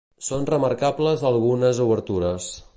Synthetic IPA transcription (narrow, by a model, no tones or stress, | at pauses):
sonrəməɾkabləzəlˠɣunəzuβəɾt̪uɾəs